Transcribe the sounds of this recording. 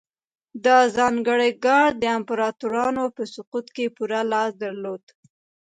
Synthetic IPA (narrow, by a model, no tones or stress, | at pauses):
d̪əzɑŋɡəɽəjɡɑɳd̪əɪmpaɾɑt̪uɾɑnopəsʊqut̪kepuɾalɑsd̪aɾlod̪̥